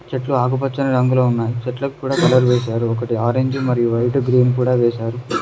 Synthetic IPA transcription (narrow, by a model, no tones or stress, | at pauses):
t͡ʃeʈluaːɡup̬ɐt͡ʃːɐnɐɾɐŋɡuloːunːaːjit͡ʃeʈlɐkukuːɽaːkɐlɐɾʋeːʃ̬aːɾuɔkɐʈiaːɾeɲd͡ʒmɐɾijuʋɐjʈɡɾiːnkuːɽaːʋeːʃaːɾu